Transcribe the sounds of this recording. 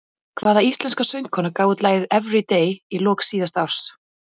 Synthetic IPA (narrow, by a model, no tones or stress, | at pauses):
kʰvaːðaist̪lɛnskasœjnt̪̚kʰɔːnakaːwʏt̪laːjðɪðɛvɾit̪ejilɔːksiːðast̪awr̥s